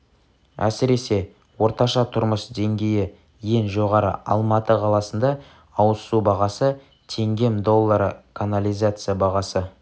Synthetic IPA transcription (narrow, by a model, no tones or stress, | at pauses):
æ̰sɪɾe̞se̞ | wo̞ɾt̪ɑʃɑt̪ʰʊɾməsd̪e̞ŋɡʲe̞jɪ | je̞nʒo̞ʁɑɾə̰ʔɑ̰lˠmɑt̪əqʰɑlˠɑsənd̪ɑ | ɑwəsubɑʁɑsə | t̪ʰe̞ŋɡʲe̞md̪o̞lˠːɑɾəkʰanalʲijzat̪sɨjabɑʁɑsə